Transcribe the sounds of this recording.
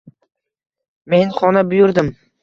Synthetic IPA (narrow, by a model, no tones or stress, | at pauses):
me̞nχɒnabʊjʊɾd̪ɪm